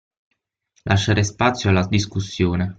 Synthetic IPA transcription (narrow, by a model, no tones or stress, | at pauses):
lʔaʃːaɾespat̪sːjoalːad̪iskusːjoːne